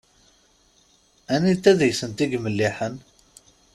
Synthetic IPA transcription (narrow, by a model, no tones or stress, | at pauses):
ænit̪ːæðjsənt̪iɡməlːiħən